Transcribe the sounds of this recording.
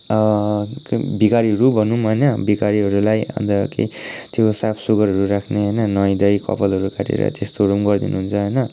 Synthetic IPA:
bikaɾiɦʌɾubʱʌnumɦʌnʌbikaɾiɦʌɾulajã̰d̪ʌkḭt̪josapʰsuɡʌɾɦʌɾuɾakʰneɦʌjnʌnʌj̃d̪ʌjkʌ̰pʌlʌɾukaʈʰḭɾʌ̰t̪est̪oɾumɡʌrd̪inuɦunt͡sʰʌɦʌjnʌ

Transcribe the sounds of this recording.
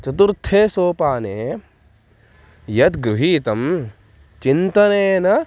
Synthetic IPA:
t͡ʃɐt̪uɾt̪ʰːeːsoːpaːneː | jɐt̪ɡɾuɦiːt̪ɐm | t͡ʃint̪ɐneːnɐ

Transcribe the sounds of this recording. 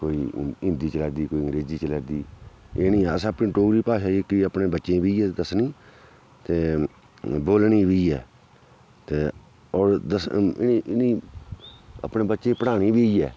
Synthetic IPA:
koːiːɪ̃nd̪iːt͡ʃəlɛːd̪iːkoːiːəŋɾeːd͡ʒiːt͡ʃəlɛːd̪iː | eːnĩːɛəsãːəpnĩːʈoːɾiːpaːʃaːikɪəpnẽːbətːʃẽːbʱiːɛːd̪əsnĩː | t̪eː | boːlɳiːbʱiːɛː | t̪eː | ɔːɾd̪əsɪʔɪniː | ə̰pneːbətːʃẽːpəɽaːɽ̃iːbʱiːɛː

